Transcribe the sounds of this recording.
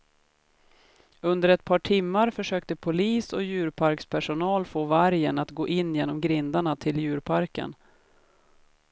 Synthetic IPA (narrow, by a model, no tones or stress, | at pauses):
ɵnd̪əɾɛt̪̚pʰɑːʈʰɪmːaɾfœʂøːkt̪əpʰʊliːsɔjʉ̟ːɾpʰaɾkspʰæʂʊnɑːlfoːvaɾjənat̪ɡoːʔɪnːjeːnɔmɡɾɪnd̪aɳat̪ʰɪljʉ̟ːɾpʰaɾkə̰n